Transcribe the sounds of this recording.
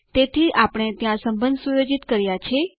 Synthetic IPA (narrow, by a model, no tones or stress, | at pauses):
t̪et̪ʰiʔapəɽ̃et̪jãsəmbənd̪sujod͡ʒit̪kəɾjat͡ʃʰe